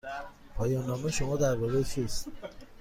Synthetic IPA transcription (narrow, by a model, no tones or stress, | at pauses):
pʰɒːjɒːnːɒːmeʃomɒːd̪æɾbɒːɾet͡ʃʰist̪